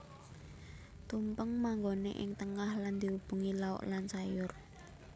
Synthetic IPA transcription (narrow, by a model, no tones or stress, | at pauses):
t̪umpəŋmaŋɡonḛʔɪ̰ŋt̪əŋahland̪̥iwub̥ṳŋilaɔ̰ʔlansajʊr